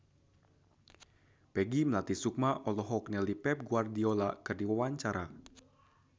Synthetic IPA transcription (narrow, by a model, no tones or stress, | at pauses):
pɛɡiməlat̪isuk̚maʔɔlɔɦɔk̚nɛlipɛp̚ɡuardiɔlakɨrdiwawaɲt͡ʃaɾa